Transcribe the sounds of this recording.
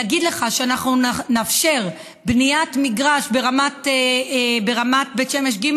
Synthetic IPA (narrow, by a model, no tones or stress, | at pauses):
ɡid̪le̞χaʃeanaχnunafʃe̞ʁ | bnijat̪miɡʁaʃbe̞ʁamat̪ː | beʁamat̪̚betʃemeʃ̬ɡim